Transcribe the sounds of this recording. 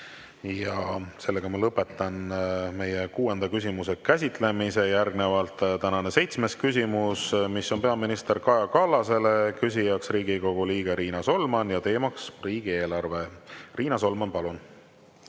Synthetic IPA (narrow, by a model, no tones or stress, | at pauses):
jɑse̞lːe̞ɡ̥ɑmɑlɤpːe̞t̪ːˑɑnme̞jekuːe̞nd̪̥ɑkysʲimuse̞kæs̬ʲit̪ˑle̞mise̞jærɡne̞vɑlt̪ˑt̪ænɑne̞se̞jt̪sme̞skysʲimusmisːo̞npe̞ɑminist̪e̞ɾkɑjɑkɑlːɑse̞le̞kysʲijɑksriːɡiko̞ɡ̥uliːɡ̥e̞ɾiːnɑso̞lmɑnjɑt̪e̞ːmɑksriːɡ̥ie̞ːlɑrve̞riːnɑso̞lmɑnpɑlun